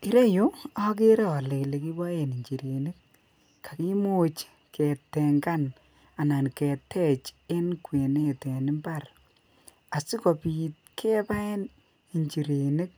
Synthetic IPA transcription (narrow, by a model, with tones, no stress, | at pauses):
i˦ɾe˦jo˦a˦k̬e˦ɾe˦ɔ˨le˨kle˨ki˦bɔ˦je˨ni˨ɲt͡ʃi˨ɾe˨ne˦k̚ | ka˨ki˦mo˦˨t͡ʃ | kʰɛ˨tːɛ˨ŋɡa˦n | a˨na˨nkɛ˨tːɛ˦t͡ʃe˦nkwe˨ne˦˨tɛ˨nɪ˦mba˦˨r | a˨si˦kɔ˨pi˨t̚kʰɛ˦pa˦ɛ˦n | i˨ɲt͡ʃi˨ɾe˨ne˦k̚